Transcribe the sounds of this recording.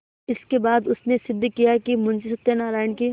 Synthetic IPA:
ɪskebaːd̪ʊsnesɪd̪ʱːkijakimʊ̃nʃɪsɐt̪ːenaːɾaːɪnki

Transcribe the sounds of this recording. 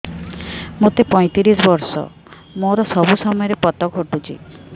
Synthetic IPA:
mot̪epɔj̃t̪iɾisɔbɔɾsɔ̰ | moɾɔsɔbusɔmɔjɔɾepɔt̪ɔɡʱoʈut͡ʃʰḭ

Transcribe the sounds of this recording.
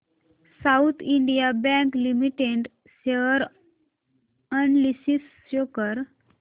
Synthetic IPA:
saut̪ʰiɳɖijabɛ̃ŋklimiʈeɳʈ | seʋəɾ | ənlisis | okəɾ

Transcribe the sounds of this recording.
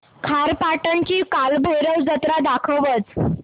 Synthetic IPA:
kʰaɾpaʈəɳt͡ɕiːkalbʱəjɾəwd͡zət̪ɾad̪akʰəʋət͡s

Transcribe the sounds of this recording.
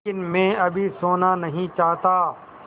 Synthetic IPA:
ɪnmɛ̃ːɐbʱisoːnanɐɦĩt͡ʃaːɦt̪aː

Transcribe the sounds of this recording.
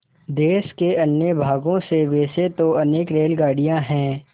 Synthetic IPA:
d̪eːʃkeɐnjəbʱaːɡõseʋeːset̪oɐneːkɾeːlɡaːɽijãɦɛ̃ː

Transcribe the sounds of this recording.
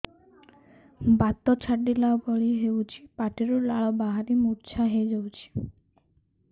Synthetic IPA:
bat̪ːot͡ɕʰaɖɖilaobɔɽiɦewt͡ɕʰipaʈeɾolaɭobaɦaɾimuɾt͡ɕʰaɦeed͡ʑawt͡ɕʰi̥

